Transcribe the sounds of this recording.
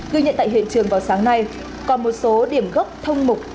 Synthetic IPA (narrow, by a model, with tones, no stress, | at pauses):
ɣi˧jɲə̰˧˨nt̪a̰ː˧˨jɦḭ˧˨t͡ɕɨ˨˩əŋvaː˨˩wsaː˨˦ŋna˧j | kɔ˨˦nmo˨˩t̚so˨˦ɗi˧˩əmɣə˦˥k͡p̚t̪ʰə˧wŋ͡mmʊ˨˩k͡p̚